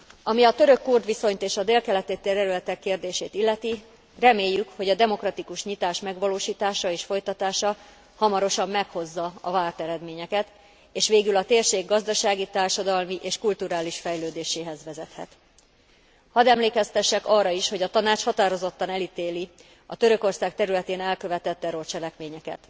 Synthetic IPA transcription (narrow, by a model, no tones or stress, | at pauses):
ɒmiɒt̪ø̞ɾø̞kːurd̪ʋiso̞ɲt̪eːʃɒd̪eːlkɛlɛt̪eːt̪ːeɾɛɾylɛt̪ɛkːeːrd̪eːʃeːt̪ilːɛt̪i | rɛmeːjːykho̞ɟɒd̪ɛmo̞krɒt̪ikuʃɲit̪aːʃmɛɡʋɒloːʃiːt̪aːʃɒeːʃfo̞jt̪ɒt̪aːʃɒ | hɒmɒɾo̞ʃɒmːɛkho̞zːɒɒvaːrt̪ɛɾɛd̪meːɲɛkɛt̪ | eːʃʋeːɡylɒt̪eːrʃeːɡːɒzd̪ɒʃaːɡit̪aːrʃɒd̪ɒlmiʔeːʃkult̪uɾaːliʃfɛjløːd̪eːʃeːɦɛzʋɛzɛt̪hɛ̰t̪ | hɒd̪ɛmleːkɛst̪ɛʃːɛkɒrːɒiʃho̞ɟɒt̪ɒnaːt͡ʃhɒt̪aːɾo̞zo̞t̪ːɒnɛlit̪eːli | ɒ̰t̪ø̞ɾøko̞rsaːkt̪ɛɾylɛt̪eːnɛlkø̞vɛt̪ɛt̪ːɛɾo̞rt͡ʃɛlɛkmeːɲɛkɛ̰t̪